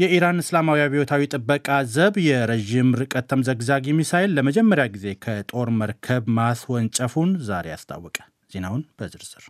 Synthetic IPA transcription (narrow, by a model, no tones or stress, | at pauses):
jɛʔiɾanɨslamawijaβihot̪ʰawit̪ʼɨbːəkʼazəβjɛɾeʒimɾɨkʼət̪ʰːəmzəɡzaɡjɛmːisajlːəməd͡ʒɛmːəɾjaɡize̞kʰət̪ʼo̞ɾməɾkʰəβmaswɔnt͡ʃʼəfunzaɾe̞ja̰st̪ʰa̰wːɔkʼə̥ | z̥e̞nawʊnb̥əzɨɾz̥ɨɾ